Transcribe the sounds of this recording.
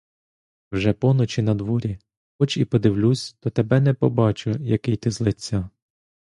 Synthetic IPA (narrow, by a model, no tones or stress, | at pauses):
wʒɛpɔnɔt͡ʃinɐd̪ʋɔɾʲi | xɔt͡ʃipɔd̪ɪwlʲusʲt̪ɔt̪ebɛnɛpɔbɑt͡ʃʊjɐkɪjt̪ɪzlˠɪt͡sʲːɑ